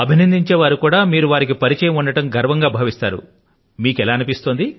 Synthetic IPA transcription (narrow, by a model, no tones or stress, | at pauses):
ɐbʱinɐnd̪iɲt͡ʃeːʋaːɾukuːɽaːmiːɾuʋaːɾik̬ipɐɾit͡ʃɛːjɐmuɳɖɐʈɐmɡʱɐɾʋɐŋɡaːbʱaːʋist̪a̰ːɾṵ | miːkɛlaːnipist̪ond̪i